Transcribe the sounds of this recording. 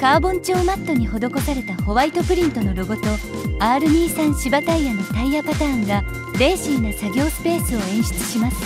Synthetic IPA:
kaːbõ̞ɲt͡ɕo̞ːmat̪ːo̞ɲ̟iho̞d̪o̞ko̞saɾe̞t̪aho̞βait̪o̞pɯ̟ɾʲĩnt̪o̞no̞ɾoɡot̪o̞ | aːɾɯ̟ɲ̟iːsãɰ̃ɕibat̪aijanot̪aijapat̪aːŋɡa | ɾe̞ːɕĩːnːasaɡʲo̞ːsɨ̥pe̞ːsɨo̞ẽ̞ɰ̃ɕi̥t͡sɨ̥ɕimasɨ̥

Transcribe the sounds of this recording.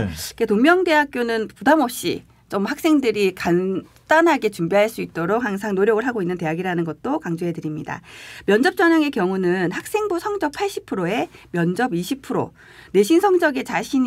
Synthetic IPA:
iketoŋmjʌŋde̞ɦak̚k͈jonɯnpudamʌp̚ɕ͈ḭ | t͡ɕomhak̚s͈e̞ŋdɯɾikan | t͈anɦaɡe̞t͡ɕumbiɦaɭs͈uit̚t͈oɾok̚haŋs̬ʰaŋnoɾjʌɡɯɭɦaɡoinːɯnte̞jaɡiɾanɯnɡʌt̚t͈okaŋd͡ʑoɦe̞dɯɾimɲida̰mjʌnd͡ʑʌp̚t͡ɕ͈ʌɲaŋe̞kjʌŋunɯnhak̚s͈e̞ŋbusʰʌŋd͡ʑʌk̚pʰaɭɕ͈i̥pʰɯɾoe̞mjʌnd͡ʑʌbiɕʰipʰɯɾo̰ | ne̞ɕʰinsʰʌŋd͡ʑʌɡe̞t͡ɕaɕʰiɲ

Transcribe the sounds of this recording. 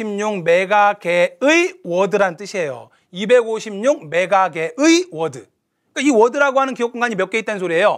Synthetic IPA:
imɲuŋmeɡakeɯiwʌdɯɾant͈ɯɕʰiejo̰ | ibe̞ɡoɕʰimɲuŋme̞ɡaɡe̞ʔɯiwʌdɯ | ik͈aiwʌdɯɾaɡoɦanɯnkijok͈uŋɡaɲimjʌk͈eit͈ens̬ʰoɾie̞jo

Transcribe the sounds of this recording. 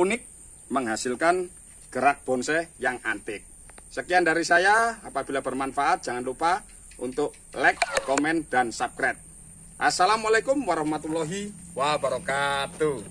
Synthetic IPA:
unɪk̚ | məŋɦasɪlkan | ɡ̥əɾak̚b̥ɔnsɛjaŋant̪ɪk̚səkijandaɾisajaapab̥ilabərmanfaʔat̪̚ʒ̥aŋanlupa | ʔṵnt̪ʊʔ | lɛkːɔmɛnd̥ansap̚kɾɛt̪̚ | ʔasalamalekʊmwaɾɔhmat̪ulɔɦiwabaɾɔkat̪u

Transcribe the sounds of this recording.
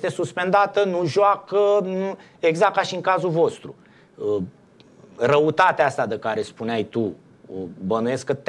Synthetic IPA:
st̪e̞suspe̞nd̪at̪ənuʒoakənu | eɡzak̚kaʃiɨŋkazuvo̞st̪ɾu | rəut̪at̪east̪ad̪ekaɾe̞spuneajt̪u | bənuje̞skət̪

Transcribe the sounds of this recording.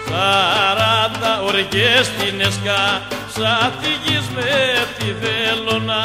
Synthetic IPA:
θaɾat̪aoɾekest̪ineskasaθiʝizmet̪ivelona

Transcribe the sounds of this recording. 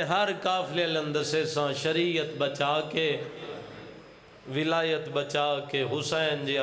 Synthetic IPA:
ɦɐɾkaːflelə̃nd̪əsesãʃɐɾiət̪bɐt͡ɕaːke | ʋɪlaːjət̪bɐt͡ɕaːkeːɦʊsaːɪnd͡ʑeː

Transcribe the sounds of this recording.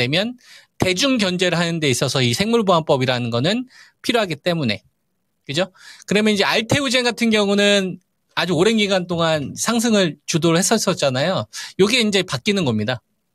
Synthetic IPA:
e̞mjʌnte̞d͡ʑuŋɡjʌnd͡ʑe̞ɾɯɭɦanɯnde̞is͈ʌsʰʌisʰe̞ŋmuɭboɦanp͈ʌbiɾanɯnɡʌnɯnpʰiɾjoɦaɡit͈e̞mune̞ | kɯd͡ʑokɯɾʌmjʌnid͡ʑe̞aɭtʰe̞ud͡ʑeŋɡatʰɯnɡjʌŋunɯn | ad͡ʑuoɾe̞nɡiɡant̬͈oŋansʰaŋs̬ʰɯŋɯɭt͡ɕudoɾɯɭhes͈ʌs͈ʌt̚t͡ɕ͈anajojoɡieind͡ʑe̞pak͈inɯnɡʌmɲida

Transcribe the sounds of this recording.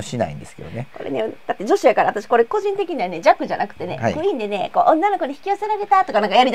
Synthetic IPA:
oɕina̰ḭ̃nd̪e̞sɨ̥ke̞̰d̪oneko̞ɾḛned̥̪at̪ːe̞d͡ʑo̞ɕijakaɾaat̪aɕi̥ko̞ɾe̞ko̞ʑĩnt̪e̞kʲiɲ̟iβane̞d͡ʑakːɯ̟ʑanakɯ̟̥t̪ːe̞ne̞̰hikɯ̟ĩnd̪e̞ne̞ko̞ːʔõnːano̞ko̞ɲiçi̥kʲijo̞se̞ɾaɾe̞t̪at̪o̞kanãŋkajaɾʲit̪

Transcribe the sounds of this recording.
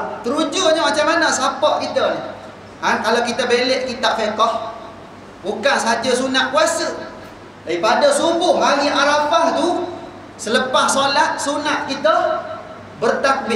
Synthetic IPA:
t̪əɾud͡ʒuʔɲəmat͡ʃamanəsapɔʔkit̪ə | ʔankalakit̪əbeleʔkit̪aʔfekɔh | bukansəɦad͡ʒəsunaʔ̪̚kwasə | daipadəsubʊhmaŋiʔaɾapaht̪u | sələpahsolat̪̚sunaʔ̪̚kit̪ə | bərt̪ak̚bɪ

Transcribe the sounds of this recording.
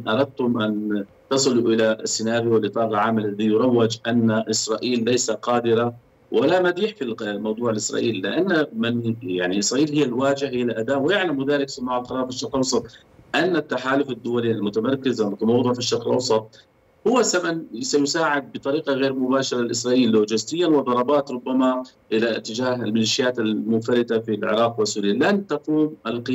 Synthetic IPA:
ʔɑɾˤɑd̪̚t̪ʊmʔan | t̪ɑsˤɨluʔɪlasːɪnaːɾjwɪlʔɨt̪ˤɑːɾlʕaːmːalːaðijʊɾˤɑwːɪd͡ʒʔanːaʔɪsɾˤɑːʔiːlːajsaqɑːd̪ɪɾa | wʔalamad̪iːħfimɑwd̪ˤuːʕɪlʔɪsɾˤɑ̰ːʔiːlːɪ̰ʔanːamɪnjaʕniʔɪsɾɑːʔiːlhɪjːalwaːd͡ʒɪhhɪjːalʔad̪aːʔwɪjaʕlamwʊðaːɾɪksʊmːaʕalqɑɾˤɑːɾˤfiʃːɑɾkɪlʔɑwsˤɑt̪ˤ | ʔanːat̪ːaħaːlʊfad̪ːʊwalialmʊt̪amɑɾˤkɪzʔamʊkmɑwd̪ˤʊʕfiʃːɑɾˤkɪlʔɑwsˤɑt̪̚ˤ | hʊwːasamansajʊsaːʕɪd̪̚bɨt̪ˤɑɾiːqɑɣeːɾmʊbaːʃɑɾˤɑɪlʔɪsɾɑːʔiːlːoːd͡ʒɪst̪ɪjːanwɪd̪ˤɑɾˤɑbɑːt̪ɾˤʊbːamaʔɪlat̪ːɪd͡ʒaːɦɪlmɪliːʃɪjaːt̪almʊnfaɾɪt̪afilʕɪ̰ɾˤɑːqwɪsːuːɾilant̪afuːmɪlqɪ

